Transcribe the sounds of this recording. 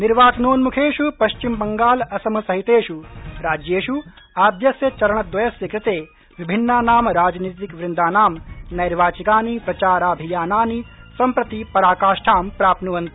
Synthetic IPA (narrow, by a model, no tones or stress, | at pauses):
niɾʋaːt̪ɐnoːnmukʰeːʃupɐʃt͡ʃimbɐŋɡaːlɐsɐmɐsɐɦit̪eːʃuɾaːd͡ʒjeːʃu | aːd̪jɐsjɐt͡ʃɐɾɐɳɐd̪ʋɐjɐsjɐkɾɪt̪eː | ʋibʱinːaːnaːmɾaːd͡ʒnit̪ːikʋɾɪnd̪ʱaːnaːmnɐjɾʋaːt͡ʃikaːnipɾɐt͡ʃaːɾaːbʱijaːnaːni | sɐmpɾɐt̪ipɐɾaːkaːʃʈʰaːmpɾaːpnuʋɐnt̪i̥